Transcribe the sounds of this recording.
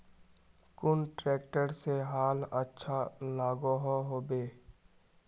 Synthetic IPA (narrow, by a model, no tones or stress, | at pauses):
kʊnʈɾɛːk̚ʈəɾseɦaːlətːʃʰalaːɡoːɦoɦoːbeː